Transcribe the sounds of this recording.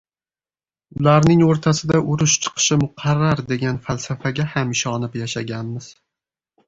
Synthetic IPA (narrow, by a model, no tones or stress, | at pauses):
ʊlaɾnɪŋoɾt̪ʰasɪd̪aʔʊɾʊʃt͡ʃʰɨ̥qʰɨ̥ʃɪmʊqʰaɾːaɾd̪e̞ɡʲanfalˠsafaɡʲahamɪʃɒnɪpjaʃaɡʲanmɪz̥